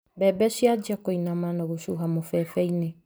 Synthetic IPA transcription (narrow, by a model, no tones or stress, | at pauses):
bɛbɛʃiad͡ʒiakoinamanaɣoʃuɦamofɛfɛine